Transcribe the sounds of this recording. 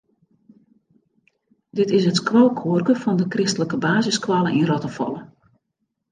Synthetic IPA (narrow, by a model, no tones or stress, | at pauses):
dɪtɪsətkʋowkʰuərkəfɔndəkrɪstələkəbaːzɪskʋalˠənʔinrɔtəfɔ̰lˠə